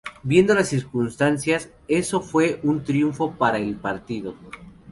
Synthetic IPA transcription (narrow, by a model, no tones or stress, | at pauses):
bje̞nd̪o̞lasːiɾkunst̪ansjas | e̞so̞fwe̞ʔunt̪ɾjuɱfo̞paɾaelpaɾt̪iðo̞